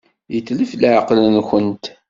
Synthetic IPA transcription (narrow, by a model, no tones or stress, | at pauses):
jəθːləfləʕqlənçənt̪